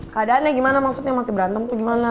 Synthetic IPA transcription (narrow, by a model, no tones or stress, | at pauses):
kadanaɡʲimanamasotemasibɾantamuɡimana